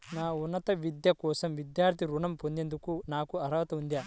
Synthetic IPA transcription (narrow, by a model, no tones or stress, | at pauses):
naːunːɐt̪ɐʋid̪jɐkɔːsɐmʋid̪jaːɾt̪ʰiɾuɳɐmpo̞nd̪end̪ukunaːkuɐɾɐʋɐt̪ɐund̪aː